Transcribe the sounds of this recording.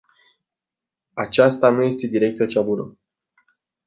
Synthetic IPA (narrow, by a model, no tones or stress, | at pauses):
at͡ʃast̪anuje̞st̪e̞d̪iɾe̞k̚t̪ət͡ʃabunə